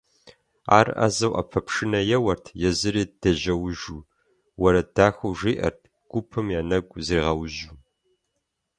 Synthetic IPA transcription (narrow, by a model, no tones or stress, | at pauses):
a̰ːrʔa̰zɐwʔɐ̰pʰɐpʂɨnɐjɛwɐrtʰjɛzɨɾiːd̥ɐʑɐwʊʒuː | wɐɾɐd̥aːxɐwʐiːʔɐ̰rtʰ | ɡ̥ʷʊpʰɨmjaːnɐɡʷʼziːʁɐwʑu